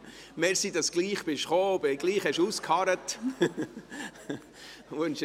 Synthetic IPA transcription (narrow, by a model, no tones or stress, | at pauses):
mɛːɾsidɑsɡ̥liːχb̥ɪʃχoːbeɡliːχhɛʃuːskʰhɑɾət | ʋønʃ